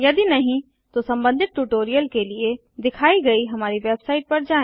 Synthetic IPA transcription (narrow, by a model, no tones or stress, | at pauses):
jɐd̪inɐɦĩ | t̪osɐ̃mbə̃nd̪ʱɪt̪̚ʈuʈoːɾijəlkelie | d̪ɪkʰaːiɡɐiɦɐmaːɾiʋeːbsaːɪʈ̚pɐɾd͡ʒaːẽː